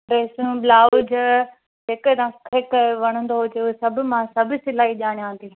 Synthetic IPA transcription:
ɾeːsũblaːʊd͡ʑ | d͡ʒeːkd̪ãkʰɪkʋɐɽ̃ə̃nd̪oɦod͡ʒeʊsɐbʱʊmãsɐbʱsɪlaːiʄaːɽ̃ijãːt̪ʰiː

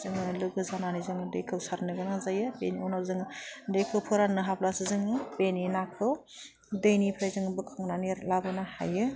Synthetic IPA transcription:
zɯŋɯlɯɡɯzananizɯŋɯdejkʰɯwsaɾnɯɡɯnazajɯbeniɔnazɯŋdekʰɯwpʰɯɾanɯɦapʰlasɯzɯŋɯbeninakʰɯw | dɯjnipʰɾajzɯŋbɯkʰɯŋnaniɾlabɯnaha̰jɯ

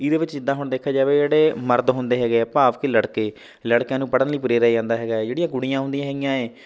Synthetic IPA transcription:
ɪd̪eːʋɪt͡ʃd͡ʒɪd̪aːɦʊɳd̪eːkʰːaːd͡ʒaːʋeːd͡ʒeːɽeːməɾd̪ɦʊ̃nd̪eːɦɛːɡeːɛpaːʋkeːləɽkeː | ləɽkjãːnũːpəɽənləiːp̬ʊɾeːɾɛeːd͡ʒãːnd̪aːɦɛːɡaːɛːd͡ʒeːɽɪjãːɡʊɽijãːɦʊ̃nd̪ijãːɦɛːɡɪijãːɛː

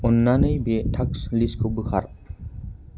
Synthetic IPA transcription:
ɔnːanɯjbetʰaksliskʰɯbɯkʰa̰ɾ

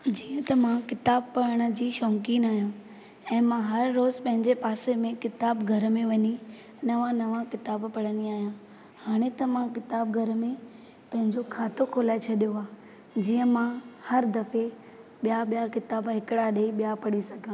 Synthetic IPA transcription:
d͡ʑiːə̃t̪ɐmãkɪt̪aːb̚pɐɽəɽ̃ə̆d͡ʑiːʃɔ̃ːŋkiːnaːɦjũ | ɛ̃ːmãɦɐɾːoːzpɐ̃ɦɪ̃ɲd͡ʑepaːsemẽkɪt̪aːbɡʱɐɾə̆mẽʋɐɲi | nɐʋãnɐʋãkɪt̪aːbpɐɽəniaːɦjã | haːɽ̃et̪ɐmãkɪt̪aːb̚ɡʱɐɾmẽ | pɐ̃ɦɪ̃ɲd͡ʑokʰaːt̪okʰoːlaːɪt͡ɕʰɐɗijoaː | d͡ʑiːə̃mãhɐɾd̪ɐfe | ɓijaɓijakɪt̪aːbɦɪkɪɽaɗeiɓijapɐɽisɐɡʱã

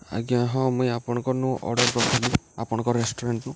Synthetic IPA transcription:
a̰ɡiãɦɔ̃muj̃apɔɽ̃ɔ̃ŋkɔnũʔɔ̰ɽɔɾkɔkʰɔliapɔɽ̃ɔ̃ŋkɔɾesʈɔɾeɳʈnũ

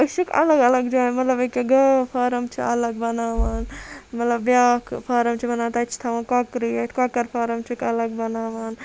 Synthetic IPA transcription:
ɐt͡ʃʰikɐ̰lɐɡɐlɐɡd͡ʒuaːnmɐt̪lɐbekeɡɐpʰaːɾɐmt͡ʃʰiɐlɐɡ̚bɐnaːʋaːnmɐt̪lɐbːjaːkʰpʰaːɾɐmt͡ʃʰibɐnaːt̪ɐt͡ʃʰi̥t̪ʰɐʋãːnkokɾietkoːkɐɾpʰaːɾɐmt͡ʃʰikɐlɐɡ̚bɐnaːʋaːn

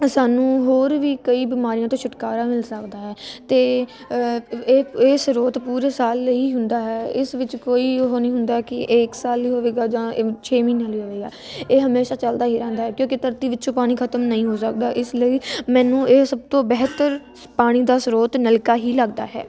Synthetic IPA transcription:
saːnũːɦoːɾʋiːkəiːbɪmaːɾijãːt̪õːt͡ʃʰʊʈkaːɾaːmɪlsəkd̪aːɦɛːt̪eː | eːeːsɾoːt̪puːɾeːsaːlːəiːɦʊnd̪aːɦɛːɪsʋɪt͡ʃkoːiːɦonĩːɦʊnd̪aːkɪʔeːksaːlːiːɦoːʋeːɡaːd͡ʒãːt͡ʃʰeːmiːnãːliːɦoːʋeːɡa̰ːeːɦəmeːʃaːt͡ʃəld̪aːɦiːɾɛ̃ːnd̪aːɦɛːkjõːkit̪əɾt̪iːʋɪtːt͡ʃõːpaːɽ̃iːkʰət̪əmnəĩːɦoːsək̚d̪aːʔɪsləiːmɛ̃ːnũːʔeːsəb̚t̪õːbɛɦt̪əɾ | paːɽ̃iːd̪aːsɾoːt̪nəlkaːɦiːləɡd̪a̰ːɦɛ̰ː

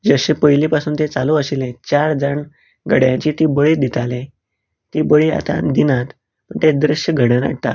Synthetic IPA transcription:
d͡zəɕẽpəjlipasuːnt̪et͡saluəɕilẽt͡ɕaɾd͡zəɳ | ɡʱəɽjãɲt͡ɕit̪ibəɭiːd̪it̪ʰalẽ | t̪ibəɭia̰t̪a̰d̪inat̪ | pəɳt̪ed̪ɾəɕjəɡʱəɽəna̰ɽt̪a̰

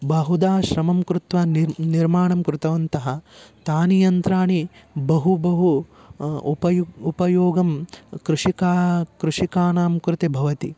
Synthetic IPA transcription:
bɐɦud̪aːʃɾɐmɐmkɾut̪ʋaːnniɾmaːɳɐmkɾut̪ɐʋɐnt̪ɐɦɐt̪aːnijɐnt̪ɾaːɳibɐɦubɐɦuː | pɐjupɐjoːɡɐmkɾuʂikaːkɾuʂikaːnaːmkɾut̪ebʱɐʋɐt̪i

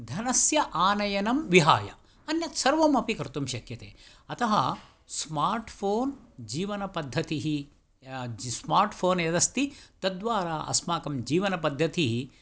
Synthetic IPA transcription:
d̪ʱɐnɐsjɐʔaːnɐjɐnɐmʋiɦaːjɐ̰ | ɐnjɐt̪sɐɾʋɐmɐpikɐɾt̪umʃɐkjɐt̪ḛː | ɐt̪ɐɦɐ | smaːɾʈpʰoːnd͡ʒiːʋɐnɐpɐd̪ʱːɐt̪iɦi | smaːɾʈpʰoːnjɐd̪ɐst̪it̪ɐd̪ʋaːɾaːʔɐ̰smaːkɐmd͡ʒiːʋɐnɐpɐd̪ʱːɐt̪iɦi

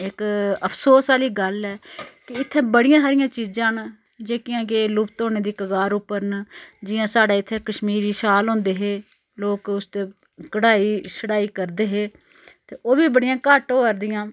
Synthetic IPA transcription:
ɪkəpʰsoːsaːliːɡəlɛːkɪɪt̪ʰːẽːbəɽɪjãːsaːɾɪjãːt͡ʃiːd͡ʒãːn | d͡ʒeːkɪjãːkelʊpt̪oːneːd̪iːkəɡaːɾʊpːəɾnd͡ʒɪjãːsaːɖaːɪt̪ʰːẽːkəʃmiːɾiːʃaːlɦõːnd̪eːɦeː | loːkʊst̪eː | kəɽaːiːsəɽaːiːkəɾd̪eːɦeː | t̪eːʔoːbiːbəɽɪjãːkaːʈõːəɾd̪ɪjãː

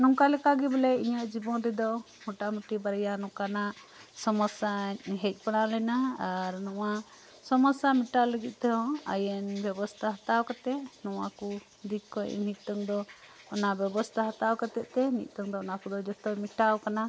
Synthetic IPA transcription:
nɔŋkalɛkaɡɛbɛlɛiɲəʔd͡ʒibɔnɾɛd̪ɔ | muʈaməʈibaɾɛjanɔ̃kanaʔ | sɔmɔsaɲɦɛc̚ˀpaɽ̃alɛnaaɾnɔwa | sɔmɔsamiʈawləɡit̪̚ˀt̪ɛɦɔ̃a̰jɛnbjɛbɔst̪ʰaɦat̪awkat̪ɛʔnɔwaku | d̪ikːɔ̰nic̚ˀt̪əŋd̪ɔ | ɔnabɛbɔst̪ʰaɦat̪awkat̪ɛʔ̚t̪ɛnḭc̚ˀt̪əŋd̪ɔɔnakud̪ɔd͡ʒɔt̪ɔmiʈawkana

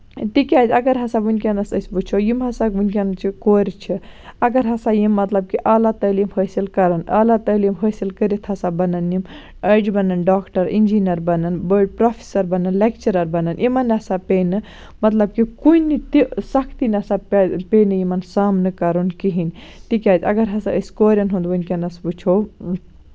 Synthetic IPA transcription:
t̪ikʲad͡ʒɐɡɐɾɦɐsabunkʲianɐsɐsbut͡ʃʰojimɦɐsakunkʲɐnt͡ʃʰikoːɾʲt͡ʃʰiɐɡɐɾɦɐsajimːɐt̪lɐb̚kiʔaːlat̪ɐːlimhʰəːsilkɐɾɐnaːlat̪əːljimɦʰəːsilkəɾit̪ʰhɐsabɐnɐnjim | ɐd͡ʒbɐnɐnɖaːkʈɐɾind͡ʒinɐɾbɐnɐnbəːɖ̚pɾoːpʰi̥sɐɾbɐnɐnlek̚t͡ʃɐɾɐɾbɐnɐnʔimɐnːɐsapeːnɨ | mɐt̪lɐb̚kikuinːit̪isɐkʰt̪inɐsappeːnɨjimɐnsaːmnɨkɐɾunkiɦint̪ikʲaːt̪ʰɐ̰ɡɐɾɦɐsaəskoːɾʲɐnɦũnd̪ʋɐnkenɐsput͡ʃʰo

